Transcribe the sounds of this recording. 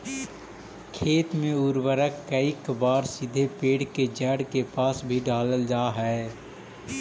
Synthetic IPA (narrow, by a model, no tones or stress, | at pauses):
kʰeːt̪mẽʊɾwəɾəkkːəikbaːɾsɪd̪ʱepeːɽked͡ʒɛːɽkepaːsbʱiɖaːləld͡ʒaːɦɛː